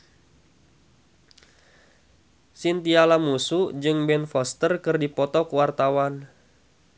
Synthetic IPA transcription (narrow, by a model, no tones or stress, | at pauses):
sint̪ialamusud͡ʒɨŋbɛnfɔst̪ərkɨrdipɔt̪ɔkuwart̪awan